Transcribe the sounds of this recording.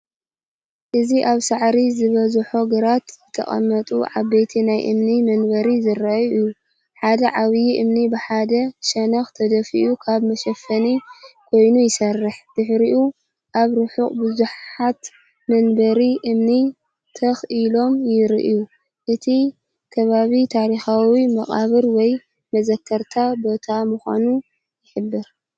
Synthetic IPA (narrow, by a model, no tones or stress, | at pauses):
ʔɨziʔaβsaʕɾizɨβɐzħoɡɨɾat̪zɨt̪ʰɐ̰χʼɐ̰mːɐt̪ʼuʕa̰βbejt̪ʰinajʔɨ̰mnimɐnbɐɾizɨɾɐjɨju | ħad̪ɐʕaβjiʔɨmnibɨħad̪ɐʃɐnɐxt̪ʰɐd̪ɐfḭʔukʰaβmɐʃɐfɐnikʰo̞jnujɪsɐrːɨħd̪̥ɨħɾiʔu | ʔaβɾɨħukʼbɨzuħat̪ | mɐnbɐɾiʔɨmni | t̪ʰɐxʔilo̞mjɪɾḭʔu | ʔɨt̪ʰi | kʰɐβaβit̪ʰaɾixawimɐχʼa̰βɨɾwɔj | mɐzɐkʰːɐɾt̪ʰabo̞t̪ʰamɨxa̰nu | jɪħɨbːɨɾ